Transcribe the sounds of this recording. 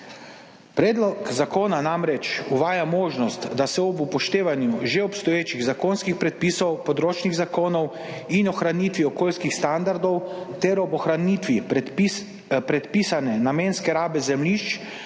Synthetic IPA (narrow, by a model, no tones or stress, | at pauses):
pɾɛːd̪lɔkzakoːnanamɾɛt͡ʃuʋaːjamoːʒnɔst̪d̪asɛɔbupɔʃt̪eːʋanjuʒeɔpst̪ɔjeːt͡ʃiɣzakoːnskixpɾɛt̪̚piːsɔwpɔd̪ɾoːt͡ʃniɣzakoːnɔw | inɔxɾaniːt̪ʋiɔkoːlskixst̪and̪aɾd̪ɔwt̪ɛɾɔbɔxɾanit̪ʋi | pɾɛt̪pisanɛnamenskɛɾaːbɛzɛmliʃt͡ʃ